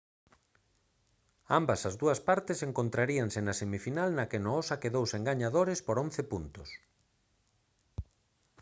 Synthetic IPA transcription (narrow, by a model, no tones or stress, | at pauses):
ambɐsɐzðuɐspaɾt̪ɪseŋkont̪ɾaɾiaŋsenɐsemifinalnɐkenoɔsakeðowseŋɡaɲaðoɾɪspoɾon̟θepunt̪ʊs